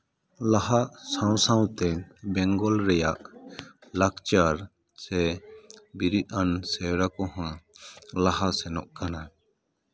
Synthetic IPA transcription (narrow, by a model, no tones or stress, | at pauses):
laɦaʔsãw̃sãw̃t̪ɛbɛŋɡɔlɾɛjaʔ | lakt͡ʃaɾ | sɛ | biɾit̪̚ˀansɛɾakɔɦãlaɦasɛnɔ̰ʔkana